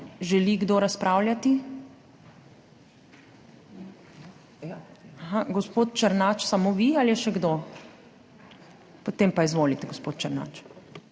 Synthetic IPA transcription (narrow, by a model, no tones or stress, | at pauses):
ʒɛliɡd̪oːɾaspɾʔaːwljat̪i | ɦaɡɔspoːt̪t͡ʃɐɾnat͡ʃsamoʋialjɛʃɛɡd̪o | pot̪empaizʋoːlit̪ɛɡospoːt̪̚t͡ʃɐɾna̰ːt͡ʃ